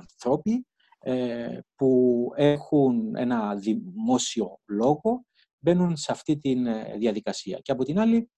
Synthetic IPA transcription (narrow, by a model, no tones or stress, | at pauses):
nθɾo̞pi | epue̞xune̞̰nɐðimo̞sio̞lo̞ɣo̞ | be̞nunseɐft̪it̪inðiɐðikɐsiɐ̰ceɐpo̞t̪inɐli